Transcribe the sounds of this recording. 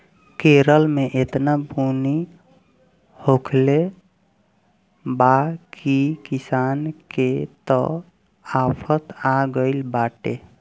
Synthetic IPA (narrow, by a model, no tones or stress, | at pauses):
keɾəlmeʔet̪nabuni | hokʰle | bakikisanket̪ɔ̰ | apʰət̪aɡəɪlbaʈḛ